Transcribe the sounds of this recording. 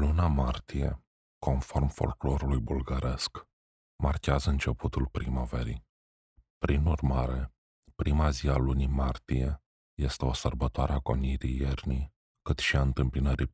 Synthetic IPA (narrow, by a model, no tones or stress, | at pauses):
lunamart̪ije̞̰ | ko̞nfo̞rmfo̞̰lklo̞ɾulujbulɡaɾʔe̞sk | markʲeazəɨnt͡ʃe̞pʰut̪ulpɾimovḛɾḭ | pɾinurmaɾe̞ | pɾimazialunimart̪ije̞ | je̞st̪e̞o̞sərbət̪oaɾeako̞niɾijerni | kɨt̪ʃiaɨnt̪ɨmpinəɾi